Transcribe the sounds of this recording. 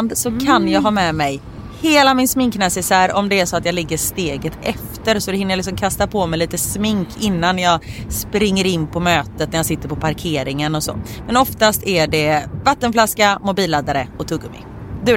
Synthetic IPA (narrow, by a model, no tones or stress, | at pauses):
nd̪sɔkʰanjɑːɡɦɑːmɛmɛj | heːlamɪnsmɪŋknɛsɪsæɾɔmd̪ɛæʂɔat̪jɑːɡlɪɡːəʂt̪eːɡət̪ʰɛft̪əɾsɔd̪ɛhɪnːjalɪksɔmkʰast̪apʰɔmɛjliːt̪əsmɪŋkʰɪnːanjɑːɡspɾɪŋːəɾɪnːpʰɔmøːt̪ət̪næɾjasɪt̪ːəɾpʰɔpʰaɾkʰeːɾɪŋənɔso̰ːmɛnɔft̪ast̪ʰæɖɛvat̪ːənflaskamʊbiːlːad̪aɾəɔt̪ʰɵɡːəmɪ̰ | d̪ʉ